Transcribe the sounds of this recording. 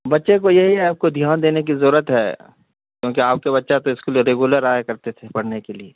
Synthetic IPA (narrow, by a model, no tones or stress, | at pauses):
bɐtːʃekojɐɦiɦɛaːp̚kod̪ʱjaːnd̪eːnek̬izɐɾuːɾət̪ɦɛ̰ː | kjõːk̬iaːp̚keβɐtːʃat̪oɪskelieɾeɡuləɾaːjekɐɾt̪et̪ʰepɐɽ̤nekelieː